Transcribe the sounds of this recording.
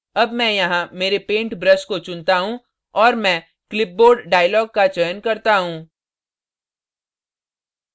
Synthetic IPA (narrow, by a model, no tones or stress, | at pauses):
ɐbmɛ̃jɐɦãmeːɾepẽːɳʈbɾəskot͡ʃʊnt̪aɦũ | ɔːɾmɛ̃ː | klɪp̚boːɾɖɖaːɪəlɔːɡ̚kat͡ʃəjənkɐɾt̪aɦũː